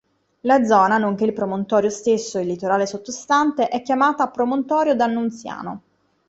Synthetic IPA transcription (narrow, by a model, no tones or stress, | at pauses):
lad̪zːɔːnanoŋk̟eilpɾomont̪ɔːɾjost̪esːoilːit̪oɾaːlesot̪ːost̪ant̪eʔɛkːjamaːt̪aːpɾomont̪ɔːɾjod̪anːunt̪sja̰ːno̰